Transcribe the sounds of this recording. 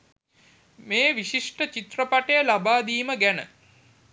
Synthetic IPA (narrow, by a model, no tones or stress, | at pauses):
meːʋiɕiʂʈət͡ɕit̪rəpaʈəjəlabaːd̪iːməɡænə̰